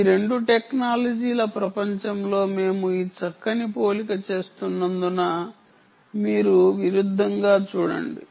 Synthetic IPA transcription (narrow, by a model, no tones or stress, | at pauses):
ɾe̞ɳɖuʈeknaːlɐd͡ʒiːlɐpɾɐpɐɲt͡ʃɐmlo̞ːme̞ːmuiːt͡ʃɐkːɐnipo̞ːlikɐt͡ʃe̞ːst̪unːɐnd̪unɐ | miːɾuʋiɾud̪ʱːɐŋɡaːt͡ʃuːɽɐ̰ɳɖi